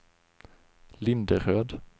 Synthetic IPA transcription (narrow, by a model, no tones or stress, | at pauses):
lɪnd̪əɾøːd̪